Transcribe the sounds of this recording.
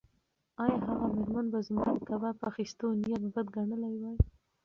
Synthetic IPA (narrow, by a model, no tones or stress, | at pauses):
ɑjɑhaɣamɪɾmanbazmuɡt̪abapaxist̪onijat̪̚bəd̪ɡaɳəlajwaj